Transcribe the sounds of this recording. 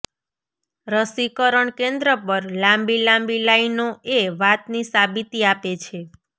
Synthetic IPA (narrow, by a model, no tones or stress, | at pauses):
ɾəsikəɾəɳkẽnd̪ɾəpəɾlãmbilãmbilainoeʋat̪nisabit̪iapet͡ʃʰe